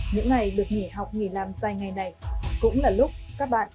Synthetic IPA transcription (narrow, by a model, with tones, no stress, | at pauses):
ɲɨ̰˧˥ŋːa˨˩jɗɨ˨˩ək̚ŋi˧˩ɦa˨˩wk͡p̚ŋi˧˩laː˨˩mzaː˧jŋa˨˩jna˨˩jkʊ̰˧˥ŋ͡mlaː˨˩lʊ˦˥k͡p̚kaː˦˥k̚ɓa̰ː˧˨n